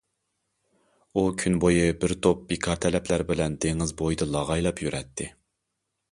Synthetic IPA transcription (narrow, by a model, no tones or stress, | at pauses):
ukʲʰynbojibɪɾt̪ʰop̚bekʰɑɾt̪ʰɛlɛpʰlæɾbɪlɛnd̪eŋɪzbojd̪ɨlˠɑʁɑjlˠɑpjyɾɛt̪ʰːɪ